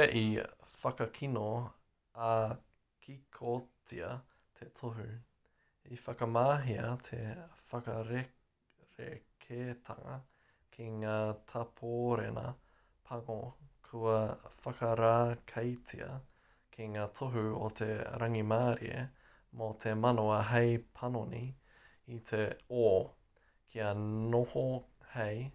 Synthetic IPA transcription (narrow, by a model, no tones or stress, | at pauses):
ʔifɐkɐkʰino | a | kʰikʰot͡siɐ | t̪ʰetʰoɦʉ | ifɐkɐmaːɦiɐt̪ʰefɐkɐɾe | ɾekʰetʰɐ̰ŋɐ̰ | kʰiŋaːtʰapʰoːɾenɐ̰ | pʰɐŋokʰuɐfɐkɐɾaːkʰɐjt͡sʰḭɐ̰ | kʰiŋaːtʰoɦʉo̰t̪ʰeɾɐŋimaːɾḭḛ | mot̪ʰemɐnoɐɦejpʰɐnoni | it̪ʰeoː | kʰiɐnoho | hej